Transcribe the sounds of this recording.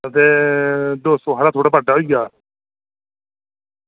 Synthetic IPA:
ət̪eːd̪oːsõːɦaɽaːt̪ʰoːɽaːbaɖaːɦoːiɡaː

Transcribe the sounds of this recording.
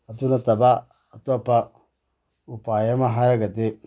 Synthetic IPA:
atunataba | atuapa | upajamaɦaɾaɡate

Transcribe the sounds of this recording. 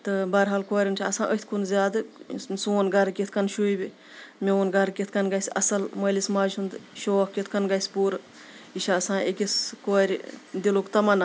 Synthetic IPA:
t̪ɨbɐɾɦaːlkoɾʲint͡ʃʰiɐsãːʔət̪ʰkʰunzʲaːd̪ɨsuːnɡɐɾkit̪ʰkɐnʃuibi | mʲeʋonɡɐɾkit̪ʰkɐnɡɐjsʲɐ̰sɐlmɐːlismaːd͡ʒund̪ɨʃoːkkit̪ʰkɐnɡɐsʲpuːɾ | iʃaɐsãːekiskoɾʲd̪ilokt̪ɐmɐna

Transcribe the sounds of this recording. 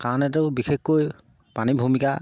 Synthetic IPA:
kanɛtɛwbixʰekkoj | panibʱumika

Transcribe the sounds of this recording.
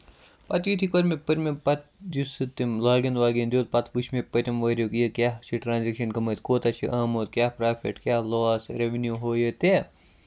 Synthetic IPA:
pɐt̪jit̪ʰikɐɾʲmepɐɾʲmepɐt̪d͡ʒusɨt̪imlaːɡɐnd̪ʋaːɡend̪oːt̪pɐt̪ʰʋut͡ʃʰmepɐɾʲɐmʋɐɾʲjokijekʲjaːt͡ʃʰiʈɾãːnzikʃɐnkɐmɐt̪koːt̪at͡ʃʰḭʔaːmoːt̪kjaːpɾaːpʰḛʈkʲjaːloːsɾeʋnjuːɦoːjet̪e

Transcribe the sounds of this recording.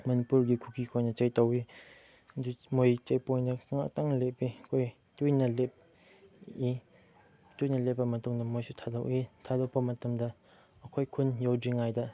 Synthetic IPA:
mɐnipuɾɡikʰukʰikʰojnɐt͡ʃɐjtɐwi | dumojt͡ʃejpojndɐŋaktaŋlep̚ːiɐkʰoj | tujnɐlep̚ | i | tujnɐlepːɐmɐtuŋdɐmojsutʰadɐwʔitʰadowpɐmɐtɐmdɐ | ɐkʰojkʰunjawdiŋajdɐ

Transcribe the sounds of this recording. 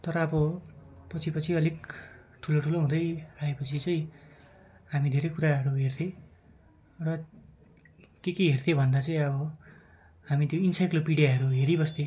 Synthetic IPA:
t̪ʌɾʌːbʌpʌt͡sʰipʌt͡sʰiʌlek | ʈʰuloʈʰuloɦũd̪ʌjraepʌt͡sʰit͡sʌĩ | ɦamid̪ʱeɾʌjkuɾaɦʌɾuɦert̪ʰẽ | rʌ | kekeɦert̪ʰebʱʌnd̪at͡saĩʌbʌ | ɦamit̪joinsajklopiɽijaɦʌɾuɦeɾibʌst̪e

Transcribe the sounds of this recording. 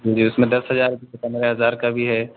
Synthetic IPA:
d͡ʒiːd͡ʒiːʊsmẽd̪ɐsɦɐzaːɾbʱiekɐnɾeɦɐzaːɾkabʱiɦɛː

